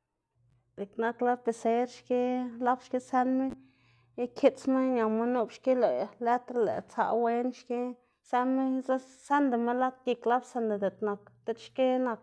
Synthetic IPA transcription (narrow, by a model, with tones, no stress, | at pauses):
d̪e˨kna˦kla˦b̚pe˨se˧˦ɾʃke˦la˦bʃke˦se˦nme˦ | kʰe˦t͡sme˦ɲa˨mo˧nu˦bʃke˦lo˨jle˦t̪ɾlḛ˨t͡sa̰˧we˦nʃke˦ | se˦lme˦za˦se˦nd̪e˨me˦la˦t̪̚ɡi˧kla˦bse˧nd̪e˨d̪e˨t̪na˨kt̪e˦tʃke˦na˧k̚